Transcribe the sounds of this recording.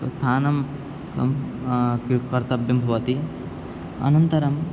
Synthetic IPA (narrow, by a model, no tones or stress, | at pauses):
ɐ̰st̪ʰaːnɐm | kɐ̰mkikɐɾt̪ɐbjɐmbʱɐʋɐt̪i | ɐ̰nɐnt̪ɐɾɐm